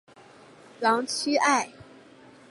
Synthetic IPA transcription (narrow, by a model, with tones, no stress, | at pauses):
jɑ˧˥ŋt͡ɕʰy˥ʔa˥˩ɪ